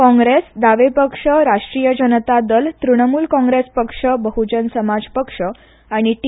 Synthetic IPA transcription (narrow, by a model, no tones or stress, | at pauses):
kɔ̃ŋɡɾesd̪aʋepəkʂəɾaʂʈɾijəd͡ʑənət̪ad̪əlt̪ɾuɽ̃əmuːlkɔ̃ŋɡɾespəkʂəbəɦud͡ʑənsəmad͡zpəkʂə | aɽ̃iʈ